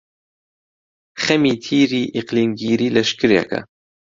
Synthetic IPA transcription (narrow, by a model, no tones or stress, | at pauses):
xɛmiːt̪ʰiːɾiːʔiqliːmɡiːɾiːlɐʃkɨɾjɛ̰kʰɐ̰